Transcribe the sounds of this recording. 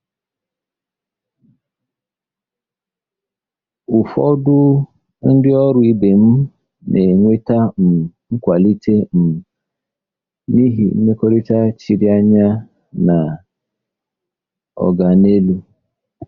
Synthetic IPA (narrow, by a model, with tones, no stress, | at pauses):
ʊ˨fɔ˦dʊ˦ | n̩˦dɪ˦ɔ˦ɾʊ˦i˦be˨m̩˦ | ne˨ŋʷe˦ta˦m̩˨ŋ̩˦kʷa˨li˦tʰe˦m̩˨ | ni˦ɦḭ˨˦ne˦ko˦ɾi˦ta˦t͡ʃi˨ɾi˦a˦ɲa˦ | na˨ | ɔ̰˨ɡa˨ne˦lu˦